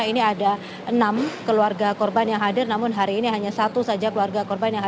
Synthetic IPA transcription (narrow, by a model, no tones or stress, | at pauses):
iniada | ʔənamkəluarɡakɔrbanjaŋɦadɪrnamʊnɦaɾiːniɦaɲasat̪usad͡ʒakəluarɡakɔrbanjaŋɦa